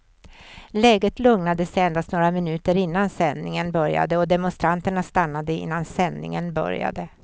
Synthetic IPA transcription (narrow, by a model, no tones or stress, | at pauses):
lɛːɡət̪lɵŋnad̪əsɛɛnd̪ast̪noːɾamɪnʉ̟ːt̪əɾɪnːansɛnːɪŋənbœɾja̰d̪əɔd̪ɛmʊnst̪ɾant̪əɳast̪anːad̪əɪ̰nːansɛnːɪ̰ŋənbœ̰ɾja̰d̪ə